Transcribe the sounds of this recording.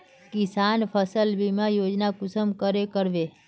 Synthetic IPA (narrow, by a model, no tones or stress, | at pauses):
kisanfʰəsəlbimãjod͡ʒnakʊsəmkəɾekəɾʋe